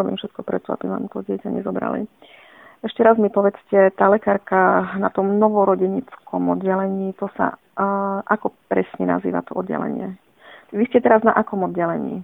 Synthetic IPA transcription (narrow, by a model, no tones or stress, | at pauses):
ɔbiːmfʃɛt̪̚kɔpɾɛt̪ɔa̰bima̰ːmt̪ɔɟɪɛcaɲɛ̰zɔbɾa̰lḭ | ɛʃcɛɾazmipɔʋɛt͡scɛt̪aːlɛkaːɾkanat̪ɔmnɔʋɔɾɔɟɛɲit͡skɔmɔd̪ɟɛlɛɲiːt̪ɔsa̰ | ʔakɔpɾɛsɲɛna̰zḭːʋa̰t̪ɔʔɔd̪ɟɛ̰lɛ̰ɲɪɛ | ʋiscɛt̪ɛɾaznaʔakɔmɔd̪ɟɛlɛɲḭː